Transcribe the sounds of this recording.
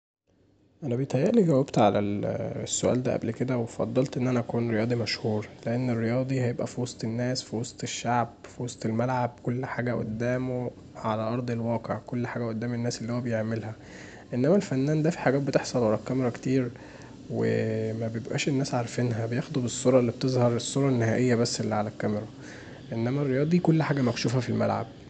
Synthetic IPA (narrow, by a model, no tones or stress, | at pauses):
ʔænæbejet̪hæjːeʔliɡæwːæbt̪ʕalæ̰lsːoʔæ̰ːld̪æ̰ːʔæ̰blked̪æwefɑ̰d̪ˤːɑlt̪ʔenːʔænæʔækuːnɾejɑːd̪ˤimæʃhuːɾleʔenːerːejɑːd̪ˤihæjebʔæfiwɑsˤt̪ˤenːæːsfiwɑsˤt̪ˤeʃːaʕb̚fiwɑsˤt̪ˤelmælʕab̚kolːħaːɡæʔo̰d̪ːæːmo | ʕalæʔɑɾˤd̪ˤelwɑːqeʕkolːħaːɡæʔod̪ːæːmenːæːselːiːhowæbejeʕmelhæ | ʔenːæmælfænːæːnd̪æfi̥ħaɡæːt̪̚bet̪eħsˤɑlʕalækːæmeɾˤɑke̥t̪iːɾ | wḛmæbejebʔæ̰ːʃenːæːsʕaɾˤfenɦæbejexd̪ˤubesˤːoɾˤɑelːib̥̚t̪ezˤhɑɾˤesˤːoɾˤɑnːehæːʔejːæbæsːʔelːiʕalækːæmeɾˤɑ | ʔenːæmærːejɑːd̪ˤikolːħaːɡæmækʃuːfæfilmæ̰lʕa̰b̚